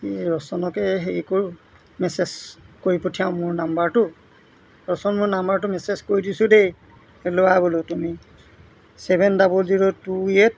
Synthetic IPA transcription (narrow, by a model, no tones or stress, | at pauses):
kiɹɔsɔnɔkɛɦeɹikoɹ | mɛsezkoɹipotʰijaʊ̃mʊɹnambaɹtʊ | ɹɔsɔnmʊɹnambaɹt̬ʊmɛsezkoɹidisʊdej | lowabolʊtumi | sɛbʱɛndabulziɹotuet̚